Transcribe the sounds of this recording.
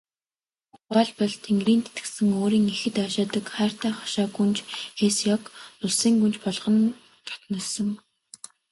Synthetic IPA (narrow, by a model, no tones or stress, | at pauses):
paːɮpɔɮt̪ʰeŋɡriːnt̪e̥t̪ɡɘ̥̆sɘ̆ŋoːɾiːŋexɘ̆t̪aʃaːt̪ə̆kχaːr̥t̪æːχɔ̥ʃaːɡunt͡ɕxesjɔkʊɮsiːŋɡunt͡ɕpɔɮʁɞ̆n | t̪ʰɔ̥t̪nɞ̆ːsɞ̆ŋ